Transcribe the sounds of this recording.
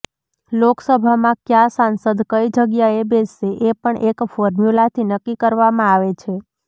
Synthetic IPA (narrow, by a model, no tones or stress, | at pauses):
loksəbʱamãkjasãnsəd̪kəid͡ʒəɡjaebeseʔepəɳʔekfoɾmjulat̪ʰinəkːikəɾʋamãaʋet͡ʃʰe